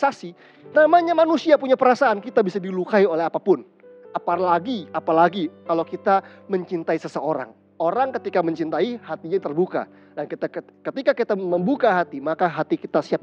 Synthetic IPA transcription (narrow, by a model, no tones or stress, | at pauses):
sasi | namaɲamanusiapuɲapəɾasaankit̪abisadilukaiolɛɦapapʊn | apalaɡiapalaɡikalokit̪aməɲt͡ʃint̪aisəsəoɾa̰ŋ | oɾaŋkət̪ikaməɲt͡ʃint̪aihat̪iɲat̪ərbuka̰ | dankit̪akət̪ikakit̪aməmbukaɦat̪imakaɦat̪ikit̪asiap̚